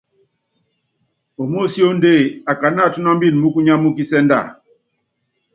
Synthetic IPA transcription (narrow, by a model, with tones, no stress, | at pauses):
o˨mo˦˨si˦o˦n˦de˦˨a˨ka˨˦na˦˨tu˦na˦m˦bi˦˨n˨mu˦ku˦ɲa˦mu˦ki˦sɛ˦n˦da̰˦˨